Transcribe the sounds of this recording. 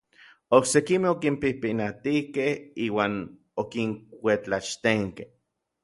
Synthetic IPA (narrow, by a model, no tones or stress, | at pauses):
oksekimehokimpihpinat̪ihkehiːwaːn | okiŋʷet͡ɬat͡ʃt̪eŋkeh